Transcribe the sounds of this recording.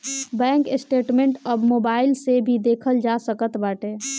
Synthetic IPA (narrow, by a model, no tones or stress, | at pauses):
bɛ̃ːŋkɪsʈeːʈmẽɳʈəbmoːbaːɪlsebʱid̪eːkʰəld͡ʒasəkət̪baːʈeː